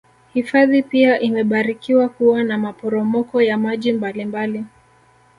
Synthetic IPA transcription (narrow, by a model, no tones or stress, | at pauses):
hifaðipiaʔimɛɓaɾikiwakuwanamapɔɾɔmɔkɔjamaʄimbalimbali